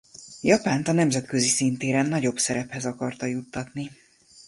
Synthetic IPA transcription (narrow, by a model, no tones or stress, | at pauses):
jɒpaːnt̪ɒnɛmzɛt̪kø̞zisint̪eːɾɛnːɒɟo̞bsɛɾɛphɛzɒkɒrt̪ɒjut̪ːɒt̪ni